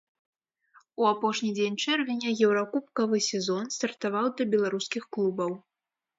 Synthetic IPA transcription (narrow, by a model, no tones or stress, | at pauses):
uapɔʂnʲid͡zʲenʲt͡ʂɛrvʲɛnʲɐjɛwɾakupkɐvɨsʲɛzɔnst̪ɐrt̪avawd̪ɐbʲɛlˠaɾuskʲixklˠubɐw